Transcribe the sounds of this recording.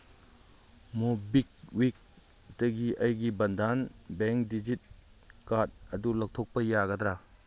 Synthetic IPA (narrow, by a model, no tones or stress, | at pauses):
mobik̚wik̚ | dɐɡiʔɐjɡibɐndanbeŋk̚did͡ʒit̚ | kat̚ɐdulɐk̚tʰok̚pɐjaɡɐdɾa